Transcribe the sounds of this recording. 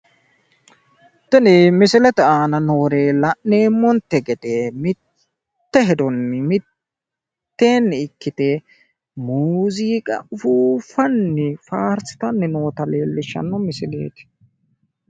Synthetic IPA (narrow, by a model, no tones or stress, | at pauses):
t̪ɛnɛmɪsɪlɛt̪ɛaːnɐno̞ːɾeːlɐʔːe̞ːmːɔnt̪ːɛɡɛd̪emɪt | t̪ːɛɦɛd̪ɔnːɪmɪ | t̪ːe̞ːnːɪɪkːɪt̪ɛ | muːziːkʼɐ̰ʊfuːfɐnːɪfaːɾsɪ̥t̪ɐnːɛno̞ːt̪ɐle̞ːlːɪʃɐ̰nːɔmɪsɪlḛːt̪ɪ̥